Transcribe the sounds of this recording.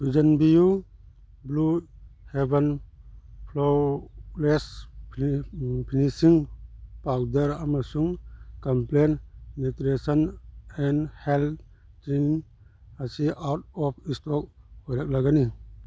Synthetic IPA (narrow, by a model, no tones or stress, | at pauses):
bid͡ʒɐnbiju | bluheben | pʰlolesp | pʰinisiŋpawdɐɾamasuŋkamplenmitɾesənɛnhel | tɾin | asiʔawt̚ɔpʰistɔk̚hɔjɾak̚laɡani